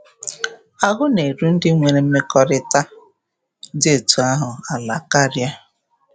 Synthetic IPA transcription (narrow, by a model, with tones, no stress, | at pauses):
a˨ɣʊ˦ne˨ɾu˦n̩˦dɪ˦ŋʷe˨ɾe˨m̩˦me˦kɔ˦ɾɪ˦ta˦ | de˦˨tu˨a˦ɦʊ˨a˨la˨ka˦ɾja˦